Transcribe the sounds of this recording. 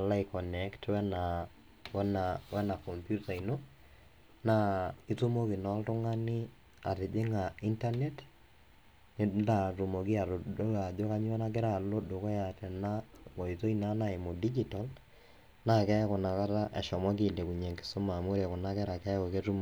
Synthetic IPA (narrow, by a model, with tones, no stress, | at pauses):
ala˦i˨kɔ˨nɛ˨ktwɛ˦na | wɛ˦nawɛ˦na˨kɔ˨mpju˦ta˨i˨no˦ | na˦i˦tu˦mo˦ki˨nɔ˦ltʊ˦ŋa˦ni˦ | a̰˨te˨d͡ʒe˦ŋa˨i˦nta˦ne˦t | ne˦nda˨tu˨mo˨ki˦a˨to˨do˦a˨d͡ʒo˦ka˦ɲ˦ɛ˦na˦k̬e˦ɾa˦˨lo˦do˨kɔ˦ja˨tɛ˨na˦kɔ˨i˨to˦i˦na˦na˦e˨mo˨di˦d͡ʒital | na˦kɛ˦ko˨na˨ka˦ta˦ʔɛ̰˨ʃɔ˨mwa˦k̬i˨nde˨ku˨ɲe˨ŋkɪ̥˦so˦ma˨mo˦ɾa˨ko˨na˦kɛ˦ɾa˨kɛ˦ko˨ke˦tu˦m